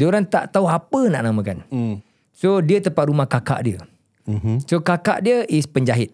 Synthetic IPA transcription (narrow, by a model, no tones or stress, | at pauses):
doɾant̪a̰ʔt̪auɦapənaʔnamə̃kan | sodiət̪əmpat̪̚ɾumahkaka̰ʔdiə̰ | sokaka̰ʔdiəʔispəɲd͡ʒaɦɪt̪̚